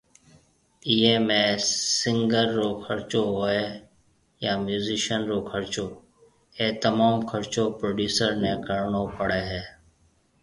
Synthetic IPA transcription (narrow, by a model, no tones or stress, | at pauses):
iːɦeːmẽːsɪŋɡəɾːoːkʰəɾt͡ʃoːɦoːeː | jaːmjuːziːʃənɾoːkʰəɾt͡ʃoː | eːt̪əmaːmkʰəɾt͡ʃoːpɾoːɖjuːsəɾnɛ̃ːkəɽɳoːpəɽeːɦɛː